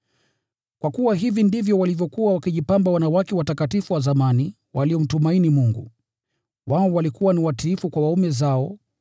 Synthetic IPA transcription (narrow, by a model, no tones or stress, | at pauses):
kwakuwaɦivindivjɔwalivjɔkuwawakiʄipambawanawakɛwatakatifuwazamani | wʔaliɔm̩tumainimuŋɡṵ | waɔwalikuwaniwatilifukwawaumɛzaɔ